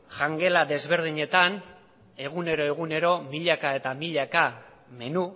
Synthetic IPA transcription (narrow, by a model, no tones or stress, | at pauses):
ʝaŋɡe̞laðe̞zβe̞ɾð̞iɲe̞t̪an | e̞ɣ̞une̞ɾo̞e̞ɣ̞une̞ɾo̞miʎakae̞t̪amiʎaka | me̞nu